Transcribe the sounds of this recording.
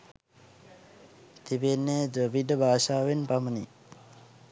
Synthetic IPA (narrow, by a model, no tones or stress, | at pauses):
t̪ibenːeːdəʋiɖəbʱaːʃaːʋenpamənḭ